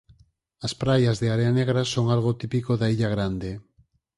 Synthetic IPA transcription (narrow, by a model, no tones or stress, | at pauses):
aspɾajazðeaɾeaneɣ̞ɾasoŋalɣot̪ipikoðaiʎaɣ̞ɾand̪e